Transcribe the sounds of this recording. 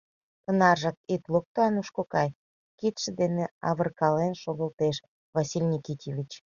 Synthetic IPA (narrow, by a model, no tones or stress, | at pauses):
t̪ənɑrʒɑk̚it̪lok̚t̪oɑnuʃkokɑj | kit̪ʃə̆d̪eneɑβərkɑlenʃoɣə̆lt̪eʃ | vasilʲnʲikʲit̪ʲevʲit͡ɕ